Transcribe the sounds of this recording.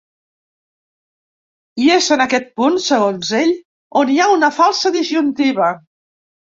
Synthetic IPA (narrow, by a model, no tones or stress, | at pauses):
iezənəkɛt̪̚punsəɣ̞onzeʎ | oniaunəfalˠsəðizʒunt̪iβ̞ə